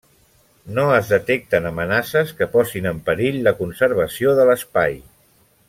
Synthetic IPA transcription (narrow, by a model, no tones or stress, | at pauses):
noəzðət̪ek̚t̪ənəmənasəskəpɔsinəmpəɾiʎləkunsəɾβ̞əsioðələspaj